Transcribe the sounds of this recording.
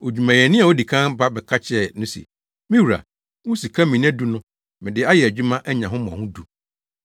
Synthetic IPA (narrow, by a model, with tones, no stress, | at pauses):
o˨d͡ʑᶣu˨mã˨jɛ˨nɪ̃˦a˨o˦di˨kʰã˦nba˦bɛ˨kʰa˦t͡ɕʰɪ˦ɛ˦˨nʊ̃˦sḭ˨ | mĩ˦wu˨ɾa̰˨ | wʊ̃˦si˨kʰã˦mĩ˨ñ˦æ˦du˦nʊ̃˦ | mɪ̃˨dɪ˦a˦jɛ˨æ˨d͡ʑᶣu˦mã˦ʔɛ˦ɲã˨ɦʊ̃˦mʊ̃˨ɔ̰̃˨hʊ̃˦du˨